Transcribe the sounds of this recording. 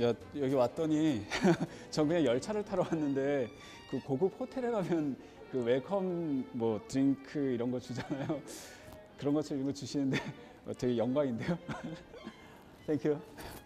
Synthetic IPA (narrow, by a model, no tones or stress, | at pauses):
jajʌɡiwat͈̚ʌɲi | t͡ɕʌnɡɯɲejʌɭt͡ɕʰaɾɯɭtʰaɾʌwanːɯnde̞ | kɯkoɡuk̚hotʰe̞ɾeɾamjʌn | kɯwe̞ɭkʰʌmmwʌtɯɾiŋkʰɯiɾʌnɡʌt͡ɕud͡ʑanajo | kɯɾʌnɡʌt͡ɕʰɯoiʌnŋɡʌt͡ɕuɕʰinɯnde̞ | ʌt͈ʰʌɡejʌŋɡwaŋinde̞jo | tʰeŋkʰju